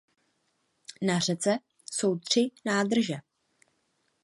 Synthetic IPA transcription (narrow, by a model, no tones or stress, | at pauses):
nar̝ɛt͡sɛ | so̞wt̪r̝̥ɪnaːd̪r̩ʒɛ